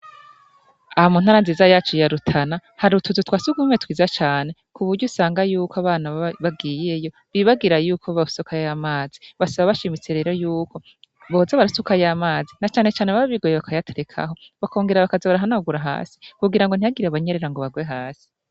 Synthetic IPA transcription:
ahamun̥aːɾanziːzajaːt͡ʃujaɾutʰanahaɾutuzutʰwaːsuɡumetwiːzat͡ʃaːne̞kuβuɾɟusaːŋɡajuːkoaβaːnaβab̚ɡiːje̞jo̞ | βiβaɡiɾajuːkʰoβausokajjamaːziβasaβaβaʃimit͡seɾe̞ːɾojuːko̞ | βozaβaɾusukajamaːzinat͡ʃaːne̞t͡ʃaːneβaβaβiɡojeβakʰajatʰeɾe̞kʰa̰ɦo̞ | βako̞ːŋɡe̞ɾaβakazaβaɾaɦanauɡuɾaɦa̰ːsi̥kuɡiɾaŋɡo̞n̥ijaɡiɾaβaɲe̞ɾe̞ɾaŋɡo̞βaɡwe̞ɦaːsi̥

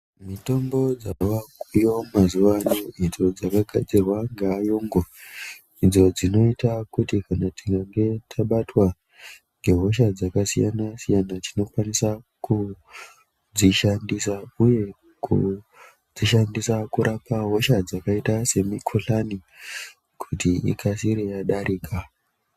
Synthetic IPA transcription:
mito̞mbo̞d͡zawakujo̞mazuʋanoid͡zo̞d͡zakaɡʱa̰d͡zirwaŋɡeːjoːŋɡo | id͡zo̞d͡zino̞itakutikanatiŋɡaŋɡe̞tʰaɓatwa | ŋɡe̞ɦo̞ʃ̬ad͡zakasijanasijanat͡ʃino̞kwanisa | ku | d͡ziʃandisauje̞ | kṵ | d͡ziʃandisakuɾʔapʰaɦo̞ʃad͡zakaitase̞mikʰoɬani | kʰutiḭkʰasiɾejaɗaɾiːkʰa

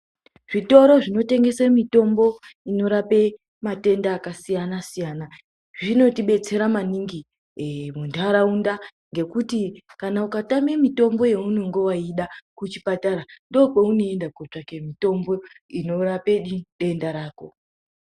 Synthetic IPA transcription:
ʐ̥ito̞ɾo̞ʐino̞te̞ŋɡe̞semito̞mbo̞ino̞ɾape̞ | mate̞ndaːkasijanasijaːna | ʐino̞tiɓe̞t͡se̞ɾamaniŋɡi | muntʰaɾaundaŋɡe̞kutikanaukatamemito̞mbo̞je̞unoŋɡewaiɗakut͡ʃipataɾando̞peuno̞endakot͡ʂake̞mito̞mbo̞ | ino̞rapeɗiɗe̞ndaɾaːko̞

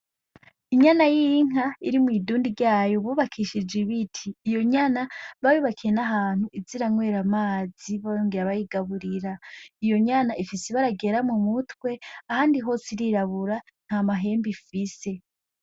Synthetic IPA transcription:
iɲanajijiŋ̥aiɾimwiːduːndiɾɟaːjo̞βuβakʰiʃid͡ʒiβitʰiːjo̞ɲanaβajuβakʰiɾe̞naɦaːn̥huʔiziɾaŋwe̞ːɾamaːziβajoːŋɡeɾaβajiɡaβuɾiɾaijo̞ɲanaʔifiseβaɾaɡe̞ɾamumutwe̞ahaːndiɦo̞siɾiɾaβuɾa | n̥hamaɦe̞ːmbifise̞

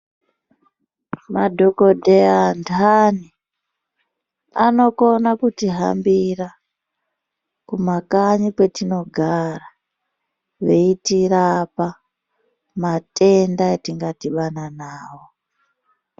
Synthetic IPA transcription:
madʱo̞ko̞dʱeandʰani | a̰no̞ko̞nakutiɦambira | kumakaɲikwe̞tino̞ɡʱara | ʋe̞itirapa | mate̞ndaetiŋɡatiɓananaːwo

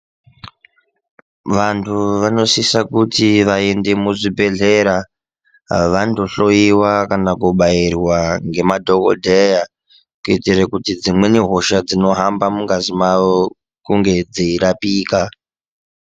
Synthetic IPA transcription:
ʋantʰuʋano̞sisakutiʋaende̞muʐibʱe̞ɮe̞ɾa | ʋando̞ɬo̞iwakanakuɓairwaŋɡe̞madʱo̞ko̰dʱeja | kuitirekutid͡zimwe̞niɦo̞ʃad͡zino̞ɦambamuŋɡazimao | kuŋɡe̞d͡ziiɾapiːka

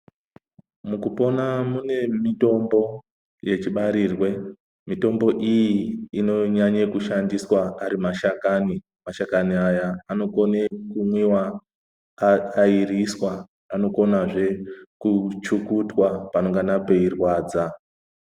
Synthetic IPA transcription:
mukupo̞namune̞mito̞mbo̞ | je̞t͡ʃiɓaɾiːrwe̞ | mito̞mbo̞ʔijiːno̞ɲaɲekuʃandiswaaɾimaʃakani | maʃakaniajaano̞ko̞nekumwiwa | iriswaː | no̞ko̞naʐe̞kut͡ʃukutwapano̞ŋɡanape̞irwaːd͡za

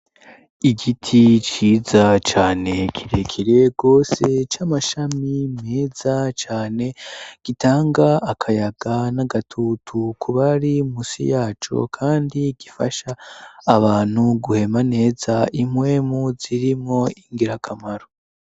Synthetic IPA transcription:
iɡitʰit͡ʃiːzat͡ʃaːne̞kʰiɾe̞kʰiɾe̞ɡ̥o̞ːse̞t͡ʃamaʃamimeːzat͡ʃaːne̞ɡ̥itaːŋɡaːkʰajaɡanaɡatʰutʰukʰuβaɾimusḭjaːt͡ʃo̰kʰaːndiɡifa̰ʃaːβaːn̥huɡuhe̞mane̞ːzaimwe̞muziɾimŋo̞iŋɡiɾakʰamaɾo

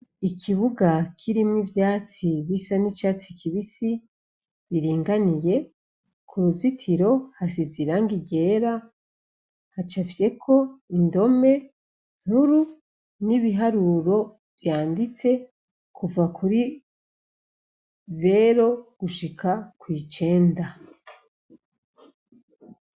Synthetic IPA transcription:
ikʰiβuɡakʰiɾimŋivjaːt͡siβisanit͡ʃaːt͡sikʰiβisi | βiɾiːŋɡanije̞ | kʰuɾuzitʰiɾo̞hasiziɾaŋɡiɡe̞ːɾa | hat͡ʃafje̞kʰo̞indo̞me̞ | n̥huɾu | niβiɦaɾuɾo̞ | vjaːndit͡se̞ | kʰuvakuɾi | ze̞ɾo̞ɡ̥uʃikʰakwiːt͡ʃe̞ːnda

